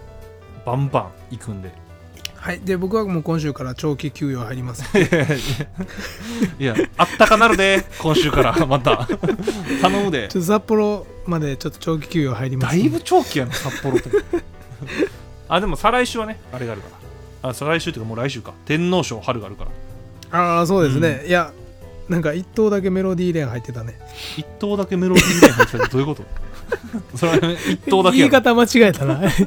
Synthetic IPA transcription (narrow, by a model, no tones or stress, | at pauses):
b̥ãmbã̰ŋ | ikɯ̟̃nd̪e̞ | haid̪e̞bo̞kɯ̟βamo̞ːkõɰ̃ɕ̬ɨːkaɾat͡ɕo̞ːkʲikʲɨːjo̞haiɾʲimasɨ | iaat̪ːakanaɾɯd̪e̞kʰõ̞ɰ̃ɕɨːkaɾamat̪a | t̪anomɯd̪et͡ɕot̪ːosapːo̞ɾo̞mad̪e̞t͡ɕo̞t̪ːot͡ɕo̞ːk̬ʲi̥kʲɨːjohaiɾʲimad̪asibɯ̟t͡ɕo̞ːkʲijanosapːo̞ɾot̪ːo | ad̪e̞mosaɾaiɕɨːβane̞aɾe̞ɡaːɾɯkaɾa | asaɾaiɕɨt̪ːeiːkamoːɾaiɕɨːkat̪ẽ̞nːo̞ːɕo̞ːhaɾɯ̟ɡaːɾɯ̟ka̰ɾa̰ | aːs̬o̞ːd̪e̞s̬ɨne̞ja | nãŋkait̪ːo̞ːd̪ak̬e̞me̞ɾo̞d̪ʲiːɾẽ̞ɦait̪ːe̞t̪ane̞ | it̪ːo̞ːd̪ake̞me̞ɾo̞d̪ʲiiːɾẽɦait̪et̪ad̪o̞ji̟ko̞t̪o | soɾeeit̪ːoːd̪akieːkat̪amat͡ɕiɡaet̪ana